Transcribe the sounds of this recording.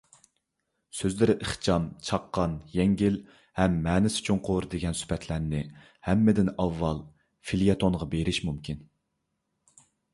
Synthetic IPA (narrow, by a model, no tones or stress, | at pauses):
søzlɪɾɪʔəχt͡ʃʰɑmt͡ʃʰɑqːɑnjɛŋɡʲil | hɛmːɛːnɪsɪ̥t͡ʃʰoŋqʰʊɾd̪eɡʲɛnsy̥pʰɛt̪ʰlæɾnɪ | hɛmːɪd̪ɪnɑvːɑlˠ | filijɑt̪ʰonʁɑbeɾɪʃmumkʲʰin